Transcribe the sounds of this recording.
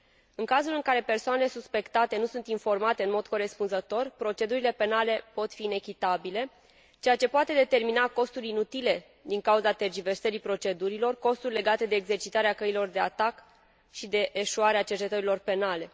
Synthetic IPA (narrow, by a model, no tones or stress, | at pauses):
ɨŋkazulɨŋkaɾe̞pe̞rsoanele̞suspe̞kt̪at̪e̞nusunt̪info̞rmat̪eɨnmod̪ko̞ɾe̞spunzət̪o̞rpɾo̞t͡ʃe̞d̪uɾile̞pe̞nale̞po̞t̪fiːne̞kʲit̪abile̞ | t͡ʃe̞jat͡ʃe̞poat̪e̞d̪et̪e̞rminako̞st̪uɾinut̪ile̞ | d̪iŋkauzat̪erd͡ʒive̞rsəɾipɾo̞t͡ʃe̞d̪uɾilo̞rko̞st̪urʲle̞ɡat̪e̞d̪e̞ːɡze̞rt͡ʃit̪aɾeakəilo̞rd̪e̞at̪ak | ʃid̪e̞ʔːʃuaɾeat͡ʃert͡ʃe̞t̪əɾilo̞rpe̞nale̞